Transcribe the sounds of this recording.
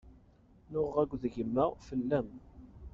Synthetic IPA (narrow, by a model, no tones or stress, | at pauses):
nʊʁːæɡʷːðʝəmːəʁfəlːæm